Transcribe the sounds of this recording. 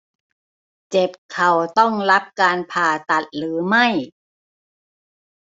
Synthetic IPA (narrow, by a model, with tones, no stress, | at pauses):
t͡ɕe˨˩p̚kʰa˨˩wt̪ɔ˥˩ŋla˦˥p̚kaː˧npʰaː˧˩t̪a˨˩t̪̚lɯː˩˦ma˥˩j